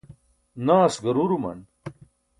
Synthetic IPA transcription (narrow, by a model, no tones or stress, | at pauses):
naːsɡɐɾuɾumɐ̰n